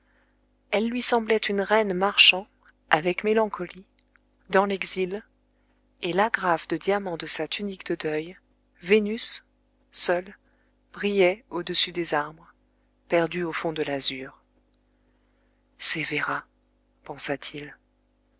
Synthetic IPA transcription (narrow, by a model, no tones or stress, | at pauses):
ɛlːɥisɑ̃blɛt̪ʰynʁɛnmaʁʃɑ̃ | avɛkmelɑ̃kʰɔli | d̪ɑ̃lɛɡzil | elaɡʁafd̪əd̪jamɑ̃d̪əsat̪ʰynikd̪əd̪œj | venysː | œl | b̥ʁijɛod̪əsyd̪ezaʁbʁə | pɛʁd̪yofɔ̃d̪əlazyːʁ | sɛveʁa | pɑ̃sat̪ʰil